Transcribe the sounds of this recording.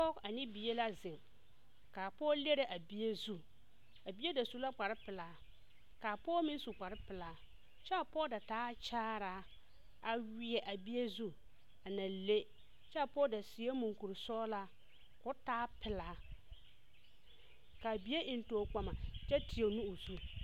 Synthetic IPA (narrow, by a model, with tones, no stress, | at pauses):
pɔ˦a˨nɪ˦bi˨je˦la˦zɪ˨ŋ | kaː˨pɔː˦le˦ɾe˦ʔa˨bi˦e˦zu˦ | a˨bi˦e˦da˨su˦la˦k͡pa˨ɾɪ˦pɪ˨laː˨˦ | kaː˨pɔː˦mɪ˦su˨k͡pa˨ɾɪ˦pɪ˨laː˨˦ | t͡ʃɛ˦a˨pɔː˦da˨taː˦t͡ʃaː˦ɾa˨˦ | a˨wɪ˨ɛ˨ʔa˨bi˦e˦zu˦ | a˨nã˨le˦ | t͡ʃɛ˦a˨pɔː˦da˨sɪ˨e˦mu˨ŋku˨ɾsɔː˦la˦ | kʊ˦taː˦pɪ˨laː˨˦ | ka˨bi˦e˦ʔɪ˨n˦toː˨k͡pa˨ma˨t͡ʃɛ˦tʰi˨e˨nũ˦o˨zu˦